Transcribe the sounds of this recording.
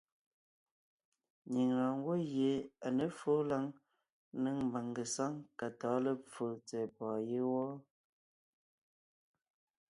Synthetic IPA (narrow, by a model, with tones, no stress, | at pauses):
ɲi˨ŋɾa˨ŋ˦ɡwo˦je˨˦a˨nə˨˦fo˦la˦ŋ | nə˦ŋmba˨ŋɡə˨sa˦ŋka˨tɔː˨˦lə˦p͡fo˨t͡sɛ˨pɔː˨je˦wɔ˦